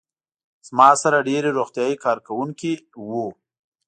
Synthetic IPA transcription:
z̥mɑsaɾaɖeɾeɾoxt̪jɑjikɑɾkawuŋkiwu

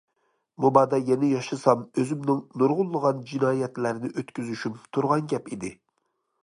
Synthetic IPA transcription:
mubɑːd̪ɛjɛnɪjɑʃɨsɑmøzymnɪŋnuɾʁʊlˠːəʁɑnd͡ʒinɑːjɛt̪læɾɪnɪʔøt̪kʲyzyʃymt̪ʰuɾʁɑnɡʲɛpid̪ɪ

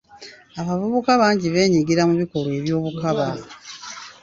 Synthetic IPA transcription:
aβavuβukaβaːɲɟiβe̞ːɲiɡiɾamuβiko̞lwe̞βjo̞ːβukaβa

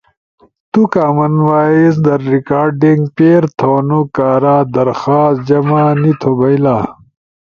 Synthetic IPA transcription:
t̪ukaːmɐnwaːisd̪ɐɾːikaːɾɖiŋɡpeːɾt̪ʰoːnukaːɾaːd̪ɐɾxaːs̚d͡ʑɐmaːnit̪ʰobɐjlaː

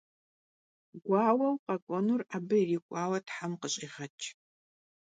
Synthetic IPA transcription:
ɡʷɑːwɐwqʼɐkʷʼɔnuraːbɨiriːkʷʼɑːwɐtħamqəɕʼiːʁɐt͡ʃʰʼ

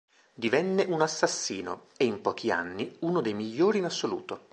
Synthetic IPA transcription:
d̪ivɛnːeʔunasːasːiːno̰ | eimpɔːk̟ʰia̰nːiunod̪ejmiʎːoːɾiːnasːolṵːt̪o

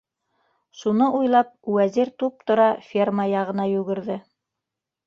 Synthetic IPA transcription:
ʃunɤʔujlˠɑp̚wæziɾt̪up̚t̪ŏɾɑfʲermajɑʁɤ̆nɑjʉɡɘ̆ɾðɘ

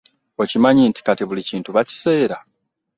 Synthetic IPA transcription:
o̞cimaɲinti̥katiβuliciːntuβaci̥se̞ːɾa

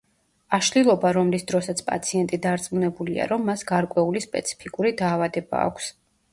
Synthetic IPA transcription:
aʃlilˠɔbaɾɔmlisd̪ɾɔsat̪sʰpʼa̰t̪sʰiɛnt̪ʼid̪aɾt̪sʼmunɛbulia̰ɾɔmːasɡaɾkʼwɛulispʼɛ̰t̪sʰi̥pʰikʼuɾid̪aːvad̪ɛba̰ːkʷʰs

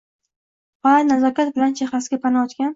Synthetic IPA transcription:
ɒanazɒkʲat̪̚bɪlant͡ʃʰeχasɡʲapʰanaɒt̪kʲan

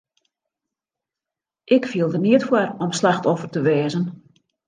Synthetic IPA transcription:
ʔɪkfiəlˠdərniətfwarɔmslaxtɔfərtəʋɛːzən

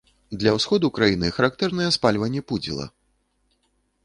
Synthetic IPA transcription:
d̪lʲɐwsxɔd̪ukɾajinɨxɐɾak̚t̪ɛrnɨjɛspalʲvɐnʲːɛpud͡zʲḭlˠɐ̰

